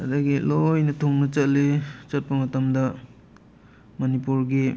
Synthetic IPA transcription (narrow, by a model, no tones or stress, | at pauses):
ɐdɐɡilojnɐtʰoŋnɐt͡ʃɐtlːet͡ʃɐt̚pɐmɐtɐmdɐ | mɐnipuɾɡi